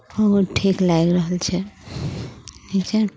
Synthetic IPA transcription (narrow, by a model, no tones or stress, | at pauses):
bəɦuʈʰiklaɡɾəɦəlt͡ʃʰɛ | nit͡ʃʰɛ